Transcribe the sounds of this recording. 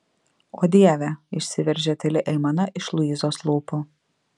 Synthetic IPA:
oːd̪ʲiɛʋʲɛɪʃʲsʲɪʋʲɛɾʲʒʲɛt̪ʲɛlʲɪʔɛɪmɐnɐʔɪʃlˠʊiːzoːslˠuːpʊ

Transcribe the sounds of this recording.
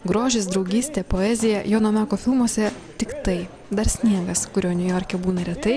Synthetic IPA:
ɡɾoːʒʲɪs̬d̪ɾɒʊɡʲiːsʲt̪ʲeːpoːɛzʲɪjɛjoːnoːmʲæːkoːfʲɪlˠmuɔsʲɛ | t̪ʲɪkt̪ɐɪ | d̪ɐɾsʲnʲiɛɡɐskʊɾʲoːnʲʊjoːɾʲkʲɛbuːnɐɾʲɛt̪ɐɪ

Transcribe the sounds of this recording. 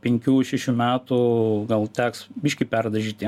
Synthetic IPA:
pʲɛŋʲkʲuːʃʲɛʃʲuːmʲæːt̪uɡɐlˠt̪ʲæːksbʲɪʃʲkʲɪpʲærd̪ɐʒʲiːt̪ʲi

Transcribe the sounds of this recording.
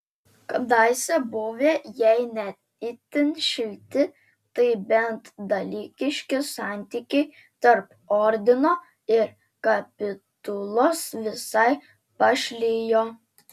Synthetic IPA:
kɐd̪ɑɪsʲɛbʊʋʲeːjɛɪnʲɛt̪ | ɪt̪ʲɪnʃʲɪlʲt̪ʲɪ | t̪ɐɪbʲɛnt̪d̪ɐlʲiːkʲɪʃʲkʲɪsɑˑnʲt̪ʲiːkʲɛɪ | t̪ɐɾp | ɔɾʲd̪ʲɪnoː | ɪɾ | kɐpʲɪt̪ʊlˠosʋʲɪsɐɪ | pɐʃʲlʲiːjoː

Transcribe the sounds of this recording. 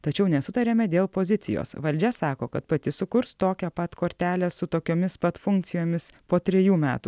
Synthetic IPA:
t̪ɐt͡ʃʲɛʊnʲɛsʊt̪ɐɾʲemʲɛd̪ʲeːlˠpoːzʲɪt̪sʲɪ̰jo̰ːsʋɐlʲd͡ʒʲɛsɑːkoːkɐt̪pɐt̪ʲɪsʊkʊɾst̪oːkʲɛpɐt̪koːɾʲt̪ʲæːlʲɛsʊt̪oːkʲoːmʲɪspɐt̪fʊŋk̪̚sʲɪjoːmʲɪspoːt̪ʲɾʲɛjuːmʲæ̰ːt̪uː

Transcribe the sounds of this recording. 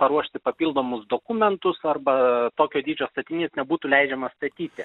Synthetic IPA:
pɐɾuɔʃʲt̪ʲɪpɐpʲiːlˠd̪oːmʊsd̪oːkumʲɛnt̪ʊsɐrbɐt̪oːkʲoːd̪ʲiːd͡ʒʲoːst̪ɐt̪ʲɪnʲiːsnʲɛbuːt̪uːlʲɛɪd͡ʒʲɛmɐst̪ɐt̪ʲiːt̪ʲɪ

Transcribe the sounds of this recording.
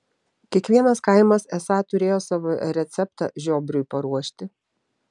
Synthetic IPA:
kʲiɛkʋʲiɛnɐskɑˑɪmɐsɛsɑt̪ʊɾʲeːjoːsɑːʋoɾʲɛt̪sʲɛpt̪ɑ̰ːʒʲoːbɾʲʊɪpɐɾuɔʃʲt̪ʲɪ

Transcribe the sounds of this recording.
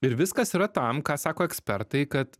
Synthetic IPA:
ɪɾʋʲɪskɐsiɾɐt̪ɐmkɑːsɑːkoːɛksʲpʲɛɾt̪ɐɪkɐt̪

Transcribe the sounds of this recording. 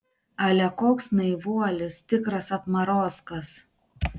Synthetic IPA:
ɐlʲɛkoːksnɐɪʋuɔlʲɪst̪ʲɪkɾɐsɐt̪mɐɾoːskɐs

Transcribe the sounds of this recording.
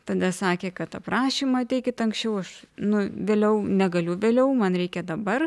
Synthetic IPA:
t̪ɐd̪ɐsɑːkʲeːkɐt̪t̪ɐpɾɑːʃʲiːmɐɐt̪ʲɛɪkʲɪt̪ɐŋksʲt͡ʃʲɛʊɐʃnʊʋʲeːlʲɛʊnʲɛɡɐlʲʊʋʲeːlʲɛʊmɐnɾʲɛɪkʲɛd̪ɐbɐr

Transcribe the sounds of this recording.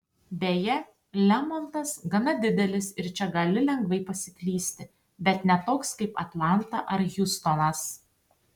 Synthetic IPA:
bʲeːjɛ | lʲɛmɔnt̪ɐsɡɐnɐd̪ʲɪd̪ʲɛlʲɪsɪɾt͡ʃʲɛɡɐlʲɪlʲɛŋɡʋɐɪpɐsʲɪklʲiːsʲt̪ʲɪ | bʲɛt̪nʲɛt̪oːkskɐɪpɐ̰t̪lˠɑnt̪ɐʔɐɾjʊst̪ɔnɐs

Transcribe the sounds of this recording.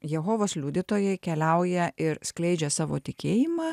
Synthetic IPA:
jɛɦoːʋoːslʲuːd̪ʲit̪oːjɛɪkʲɛlʲɛʊjɛɪɾsklʲɛɪd͡ʒʲɛsɑːʋo̰ːt̪ʲɪkʲeːjɪmɑː

